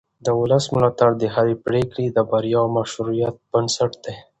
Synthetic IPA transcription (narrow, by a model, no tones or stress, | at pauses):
d̪əʊləsmʊlɑt̪aɽd̪eɦalepɽekɽid̪əbaɾjɑmaʃuɾijat̪̚b̥ənsaʈd̪̥e